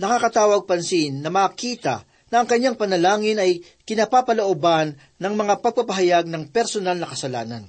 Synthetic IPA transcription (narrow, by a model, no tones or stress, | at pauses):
nɐkakɐt̪aːwɐɡ̚pɐnsinːɐmɐkiːt̪ɐ̰ | nɐʔːŋkɐɲːaŋpɐnɐlaːŋɪnɐj | kɪnapapɐloʔobanːɐŋmɐŋapɐɡ̚pɐpɐɦɐjaɡ̚nɐŋpɛɾsonalnɐkɐsɐla̰ːnɐ̰n